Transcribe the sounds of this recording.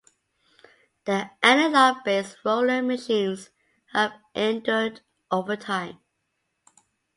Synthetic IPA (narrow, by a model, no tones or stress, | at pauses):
ð̥iʔænəlabesɹoʊləməʃĩnz | həvʔɛ̃ntə˞d | ʔoʊvətʰãɪ̃m